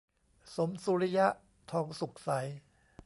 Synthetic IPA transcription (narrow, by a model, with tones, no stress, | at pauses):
so˩˦msuː˧ɾi˦˥ja˦˥ʔ | t̪ʰɔː˧ŋsu˨˩k̚sa˩˦j